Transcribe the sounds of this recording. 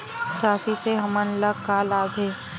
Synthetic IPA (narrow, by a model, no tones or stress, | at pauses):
t̪aːsiseɦɐmənləkaːlaːbʱeː